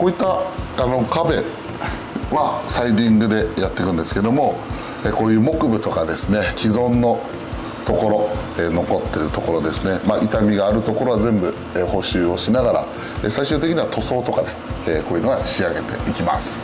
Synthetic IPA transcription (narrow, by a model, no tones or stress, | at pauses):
ko̞ːit̪ːaano̞kabe̞ | βasaid̪ʲĩŋɡɯ̟d̪e̞jat̪ːe̞kɯ̟̃nd̪esɨ̥ke̞d̪o̞mo̞ | eko̞ːjɯ̟ːmo̞kɯ̟bɯ̟t̪o̞kad̪e̞sɨne̞kʲizõ̞nːo̞ | t̪o̞ko̞ɾo̞ | eːno̞ko̞t̪ːe̞ɾɯ̟t̪o̞ko̞ɾo̞d̪e̞sɨne̞maʔit̪amʲiɡaːɾɯ̟t̪o̞ko̞ɾo̞azẽ̞mbɯ̟ | eho̞ɕɨːo̞ɕinaɡaɾa̰ | esaiɕɨːt̪ekʲiɲ̟iβat̪ʰo̞so̞ːt̪o̞kad̪e̞ko̞ːjiɯ̟no̞ɡaɕiaɡe̞t̪e̞̰ikʲima̰sɨ̥